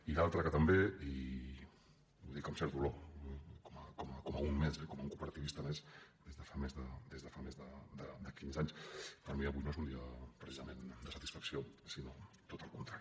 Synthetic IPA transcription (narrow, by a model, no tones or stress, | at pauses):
ilalˠt̪ɾəkət̪əmbei | uðikəmsɛɾðulokoməkɔmkɔməunmezɛkɔməuŋkupəɾɐt̪iβist̪əmesd̪ezðəfamezðəd̪ezðəfamezðəd̪əd̪əkinzaɲspəɾmiəβujnoezund̪iəpɾəsizəmend̪əsət̪i̥sfəksiosino | t̪ot̪əlˠkunt̪ɾaɾi